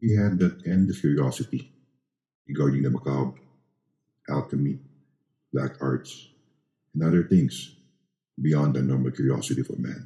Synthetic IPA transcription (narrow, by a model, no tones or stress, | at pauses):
wiɦæd̪̚ːɨt̪̚ɛ̃nd̪ʌv̥kʰjʊɹiɔsɪt̪i | ɹɨɡaɹdɪ̃ŋd̪əmakab̚ | ʔælˠkəmi | b̥læ̰kʰa̰ɹt̪s | ɛ̃nʌðə˞θɪ̃ŋs | bijɑ̃nd̪ɨnɔɹməlˠkʰjʊɹiɔ̰sɪt̪iɔvə̰mæ̰̃n